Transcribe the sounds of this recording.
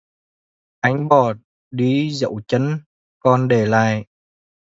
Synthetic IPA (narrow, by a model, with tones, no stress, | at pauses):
ʔa˧˦jŋ̟ɓɔ˨˩t̚ | ɗi˧zə̰˧˥wt͡ɕə˨˦n | kɔ˧nɗe˧˩la̰ː˧˨j